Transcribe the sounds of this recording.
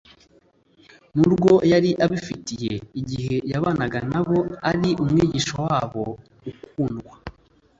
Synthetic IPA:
nuɾɡo̞jaɾiʔaβifitije̞iɟihe̞jaβaːnaɡanaβo̞aɾiʔumŋiːɟiʃowaːβo̞ | ukuːnɡwa

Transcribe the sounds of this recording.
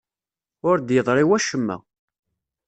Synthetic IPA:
ʊɾd̪jəðˤɾˤiwæʃəmːæ̰

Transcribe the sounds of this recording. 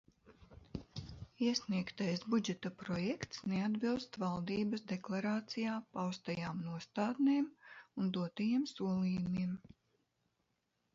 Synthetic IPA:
iɛsniɛkt̪ajsbud͡ʒɛt̪apɾɔjɛkt̪snead̪bilˠst̪valˠd̪iːbɐsd̪ɛklˠaɾaːt̪sijaːpawst̪ajaːmnuɔst̪aːd̪neːmund̪uɔt̪ajimsuɔlˠiːjumiɛm

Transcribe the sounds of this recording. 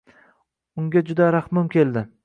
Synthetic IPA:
ʊŋɡʲad͡ʒʊd̪aɾaχmʊmkʲʰe̞ld̪ɪ

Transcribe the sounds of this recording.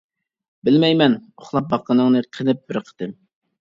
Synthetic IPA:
bɪlmɛjmɛnoχlˠɑp̚bɑqːənɨŋnɨqʰənɨp̚bɪɾqʰə̥t̪ɨm

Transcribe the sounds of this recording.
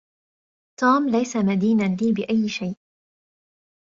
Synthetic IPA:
t̪uːmlajsamad̪iːnaliːbɪʔajːɪʃajʔ

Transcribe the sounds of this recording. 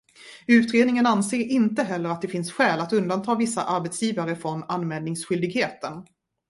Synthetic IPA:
ʉ̟ːt̪ɾeːd̪nɪŋənanseːɾɪnt̪əɦɛlːəɾat̪̚d̪ɛfɪnsɧɛːlat̪ɵnd̪ant̪ʰɑːvɪsːa̰ʔaɾbɛt̪sjiːvaɾəfɾɔnanmɛld̪ɪŋsɧʏld̪ɪɡheːt̪ən

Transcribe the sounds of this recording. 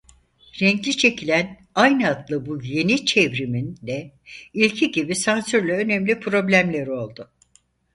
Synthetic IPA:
ɾɛŋɟlʲit͡ʃʰe̞cʰilʲæn | ajnɯat̪lˠɯbuje̞nit͡ʃʰevɾimind̪ɛ | ilʲcʰiɟibisansyɾlʲɛø̞nɛmlʲipʰɾo̞blʲæmlʲeɾo̞lˠd̪ʊ

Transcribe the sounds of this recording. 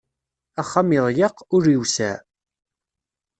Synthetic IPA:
æχːamɪðˤjɑqʊɾiwsæ̰

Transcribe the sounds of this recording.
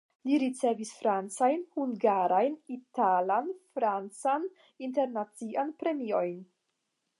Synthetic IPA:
liɾit͡se̞visfɾant͡sajnhuŋɡaɾajnitalanfɾant͡san | inte̞ɾnat͡siʔanpɾe̞mio̞jn

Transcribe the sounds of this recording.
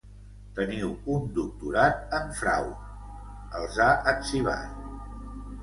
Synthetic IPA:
t̪əniwund̪uk̚t̪uɾat̪̚əɱfɾa̰w | əlˠzaʔəksiβa̰t̪

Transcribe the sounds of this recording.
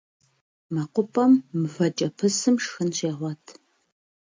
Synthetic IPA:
mɐqʷʊpʼɐmːɨvɐt͡ʃʼɐpʰɨsɨmʂxɨnɕeːʁʷɔtʰ

